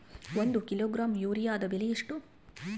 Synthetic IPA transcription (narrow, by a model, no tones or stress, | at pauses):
ond̪ukiloːɡɾaːmjuːɾijaːd̪ɐbilijiʂʈu